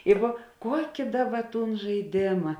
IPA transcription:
jɛɪˈɡʊ ˈkuɔkʲɪ ˈdɑːˌbɐ ˈtuːn ʒɐɪˈdʲeːmɐ

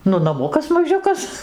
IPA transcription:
ˈnʊ nɐˈmʊkɐs mɐˈʒʲʊkɐs

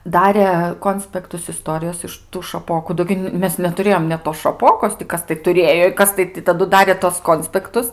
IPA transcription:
ˈdɑːrʲeː ˈkoːnʲsʲpʲɛktʊs ɪˈstoːrʲɪjoːs ɪʃ tuː ʃɐˈpoːkʊ ˈdoː ɡʲɪ ˈmʲɛs nʲɛtʊˈrʲeːjoːm nʲɛt toːs ʃɐˈpoːkoːs tʲɪ ˈkɐs tɐɪ tʊˈrʲeːjoː ɪ ˈkɐs tɐɪ tɐˈdʊ ˈdɑːrʲeː tuɔs ˈkoːnʲsʲpʲɛktʊs

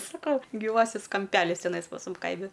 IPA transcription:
sɐˈkɐʊ ɡʲiːˈʋɑːsʲɪs kɐmʲˈpʲæːlʲɪs tʲɛˈnɐɪs pɐs ˈmʊm ˈkɐɪmʲɪ

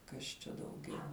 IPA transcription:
ˈkɐs t͡ʃʲɛ dɐʊˈɡʲɛʊ

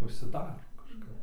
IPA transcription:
ʊʃʲsʲɪˈdɑːroː kɐʃˈkɐp

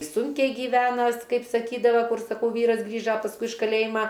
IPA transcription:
ˈsʊŋʲkʲɛɪ ɡʲiːˈʋʲæːnɐs ˈkɐɪp sɐˈkʲiːdɐʋɐ ˈkʊr sɐˈkɐʊ ˈʋʲiːrɐs ˈɡrʲiːʒɐ pɐsˈkʊɪ ɪʃ kɐˈlʲeːjɪmɐ

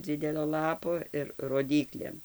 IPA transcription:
ˈd͡zʲɪdʲɛlʲoː ˈlˠɑːpoː ɪr roːˈdʲiːklʲeːm

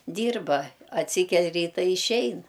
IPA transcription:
ˈdʲiːrbɐ ɐtʲˈsʲiːkʲɛlʲ ˈrʲiːtɐ ɪ ɪʃʲˈɛɪn

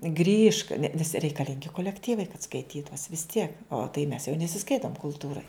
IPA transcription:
ɡrʲiːʃk nʲɛ nʲɛs rʲɛɪkɐˈlʲɪŋʲɡʲɪ koːlʲɛkˈtʲiːʋɐɪ kɐt skɐɪˈtʲiːtʊs ʋʲɪs ˈtʲiɛk oː tɐɪ mʲɛs jɛʊ nʲɛsʲɪˈskɐɪtoːm kʊlˠˈtuːrɐɪ

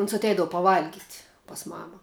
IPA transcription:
ʊns ɐtʲˈɛɪdɐʋʊ pɐˈʋɐlʲɡʲɪtʲ pɐs ˈmɑːmɐ

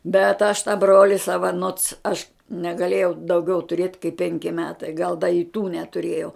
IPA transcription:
bʲɛt ɐʃ tɑː ˈbroːlʲɪ ˈsɑːʋɐ noːts ɐʃ nʲɛɡɐˈlʲeːjɛʊ dɐʊˈɡʲɛʊ tʊˈrʲeːt kɐɪp ˈpʲɛŋʲkʲɪ ˈmʲæːtɐɪ ɡɐlˠ dɐ ɪ ˈtuː nʲɛtʊˈrʲeːjɛʊ

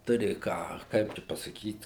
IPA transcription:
ˈtʊrʲɪ ˈkɑː ˈkɐɪp t͡ʃʲɛ pɐsɐˈkʲiːt

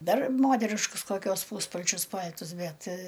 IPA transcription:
ˈdɐr ˈmoːtʲɛrʲɪʃkʊs koːˈkʲuɔs ˈpuːspɐlʲt͡ʃʲʊs ˈpɐlʲtʊs ˈbʲɛt

